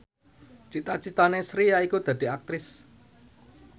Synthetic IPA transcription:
t͡ʃit̪at͡ʃit̪anesɾijaikud̪̥ä̤d̪̥i̤ak̚t̪ɾɪs

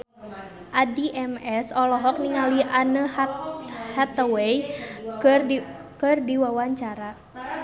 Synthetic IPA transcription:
ʔadiʔɛmɛsɔlɔɦɔk̚niŋaliʔanə | hat̪əwɛj | kɨrdiwawaɲt͡ʃaɾa

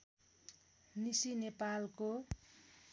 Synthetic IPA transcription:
nisinepalko

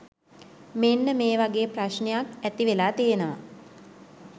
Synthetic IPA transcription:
menːəmeːʋaɡeːpraʃnejakæt̪iʋelaːt̪ijenəʋa̰

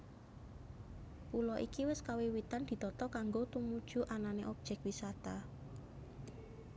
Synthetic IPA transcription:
pulɔʔikiwɪskawewit̪and̪̥i̤t̪ɔt̪ɔkaŋɡot̪umud̥ʒ̥uʔananeʔɔb̥̚ʒ̥ɛk̚wisat̪a

